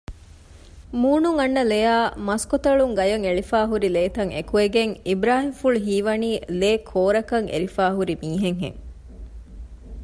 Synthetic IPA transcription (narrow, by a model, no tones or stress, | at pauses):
muːnuŋɐnːɐlejaːmɐskot̪ɐɭuŋɡɐjɐŋeɭifaːɦuɾileːt̪ɐŋḛkueɡeŋibɾaːɦimfuɭuɦiːʋɐniːleːkʰoːɾɐkɐŋḛɾifaːɦuɾimiːɦeŋɦḛŋ